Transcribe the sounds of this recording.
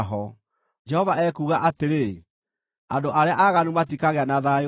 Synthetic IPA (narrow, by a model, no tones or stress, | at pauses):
ɦɔ | d͡ʒɛhɔvaɛkuːɣaʔateɾe | a̰ndoʔaɾeaʔaɣanumatikaɣeanaða